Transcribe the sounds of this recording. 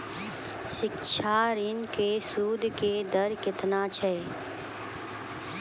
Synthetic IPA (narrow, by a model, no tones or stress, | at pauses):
ʃɪkʃʰaːɾɪnkeːsuːd̪ʱkeːd̪əɾkɪt̪naːt͡ʃʰɛː